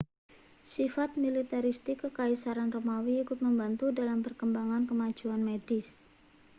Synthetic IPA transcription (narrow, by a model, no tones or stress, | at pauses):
sifat̪̚milit̪aɾist̪ɪkːəkaisaɾanromawiikʊt̪̚məmbant̪udalampərkəmbaŋankəmḁd͡ʒ̥uanmedɪs